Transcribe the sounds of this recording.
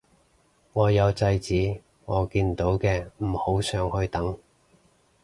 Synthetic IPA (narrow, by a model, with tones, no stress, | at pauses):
ŋɔː˨˧jɐ˨˧wt͡sɐ˧jt͡siː˨˥ | ŋɔː˨˧kiː˧nt̪o˨˥wkɛː˧m̩˨˩ho˨˥wsœː˨˧ŋhɵ˧ɥt̪ɐ˨˥ŋ